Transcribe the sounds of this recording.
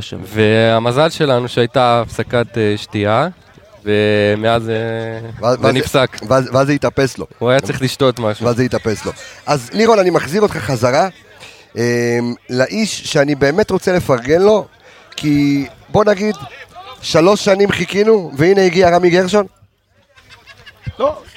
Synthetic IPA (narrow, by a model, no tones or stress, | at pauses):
veamazalʃe̞lanuʃeajtaːfsakat̪eʃtia | vemeazeveaanifsakveazveazejit̪ape̞slo̞̰uajat͡sʁiχliʃt̪o̞t̪maʃvazejit̪ape̞slo̞̰ʔazliʁonanimaχziʁot̪χaχazaʁa | emlaʔiʃːeanibe̞ːme̞t̪ʁo̞t͡sele̞faʁɡe̞nlo̞ | kʰibo̞naɡid̪ʃalo̞ʃːanimχikinuveineiɡiaʁamiɡeʁʃo̞n | lo